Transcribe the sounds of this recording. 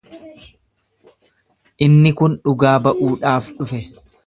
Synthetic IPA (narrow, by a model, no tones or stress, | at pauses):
ʔɪnːɪkʊnᶑʊɡaːbɐʔuːᶑaːfᶑʊfɛ